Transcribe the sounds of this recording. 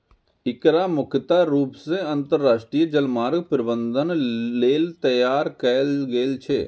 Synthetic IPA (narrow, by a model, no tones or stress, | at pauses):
ɪkɾamʊkʰt̪aɾuːpseɐ̃nt̪əɾːaːʃʈɾijəd͡ʒɐlmaːɾɡpɾɪbə̃nd̪ʱənːeːlt̪ɐjaːɾkɛlɡeːlt͡ʃʰeː